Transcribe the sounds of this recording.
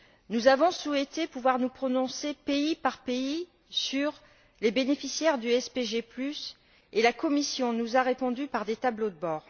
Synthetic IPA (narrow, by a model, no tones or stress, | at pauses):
nuzavɔ̃suɛt̪epuvwaʁnupχɔnɔ̃sepeipaʁpei | syʁ | lebenefisjɛʁd̪yɛspeʒeplys | elakɔmisjɔ̃nuzaʁepɔ̃d̪ypaʁd̪et̪ablod̪əbɔːʁ